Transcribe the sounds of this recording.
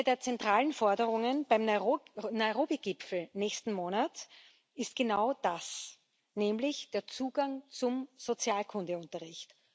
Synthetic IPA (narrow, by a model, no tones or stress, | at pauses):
ədeːɐt͡sɛntʁ̥aːlənfɔɐdəʁʊŋənb̥aɪmnnɔɪʁoːbiɡ̥ɪpfl̩nɛːçstn̩moːnɐt | ɪst̚ɡ̥enaʊd̥as | nɛːmlɪçd̥eːɐt͡suːɡaŋt͡sʊmz̥ot͡sjaːlkʰʊndəʊntɐʁɪçt